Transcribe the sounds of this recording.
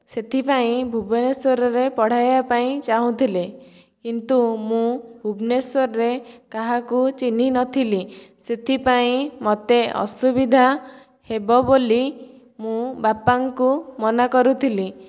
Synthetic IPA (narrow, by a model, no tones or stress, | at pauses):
set̪ʰipaĩbʱubɔneswɔɾɔɾepɔɽ̤ajbapaĩt͡ʃaɦũt̪ʰile | kint̪umũbʱubneswɔɾɔɾekaɦakut͡ʃin̤inɔt̪ʰiliset̪ʰipaĩmɔt̪eʔɔ̰subid̪ʱa | hebɔboli | mũbapaŋkumɔnakɔɾut̪ʰili